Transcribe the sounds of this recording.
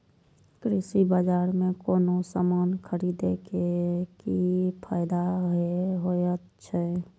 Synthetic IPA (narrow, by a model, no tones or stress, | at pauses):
kɾɪsibəd͡ʒaːɾmẽkoːnosamaːnkʰəɾid̪ekekipʰaːɪd̪aɦeɦojət̪ | t͡ʃʰɛ